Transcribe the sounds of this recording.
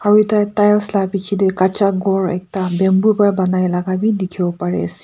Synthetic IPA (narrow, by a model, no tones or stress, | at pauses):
aɹitajtajlslapit͡ʃʰidɛkat͡ʃaɡɔɹɛ̰k̚tabɛmbupajbanajlaɡabidikʰibɔpaɹɛ̰si̥